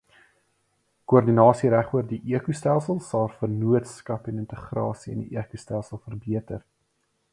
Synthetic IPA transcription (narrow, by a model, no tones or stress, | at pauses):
kuərdinɑːsiɾæχuərdiʔiəkustælˠsəlˠsɐlˠfərnuətskɐpɛnəntəχrɑ̰ːsiɛ̰ndiʔiəkustælˠsəlˠfərbiətər